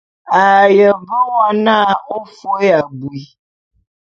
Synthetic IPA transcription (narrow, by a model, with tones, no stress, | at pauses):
a˨jə˨bə˦wa˦nã˦o˦fo˦ja˨bu˨i˨